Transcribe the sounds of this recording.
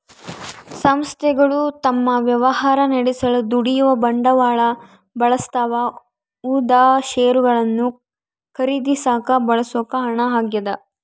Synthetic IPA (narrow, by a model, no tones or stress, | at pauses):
sɐmst̪ʰɛɡɐɭut̪ɐmːɐʋjɐʋɐɦaːɾɐnɐɽisɐɭud̪uɽijuʋɐbɐɳɖɐʋaːɭɐ | bɐɭɐst̪aːʋɐ | uːd̪aːʃɛːjɾuɡɐɭɐnːu | kʰɐɾid̪isaːkɐbɐɭɐsoːkɐɦɐɳɐɦaːɡjɐd̪ɐ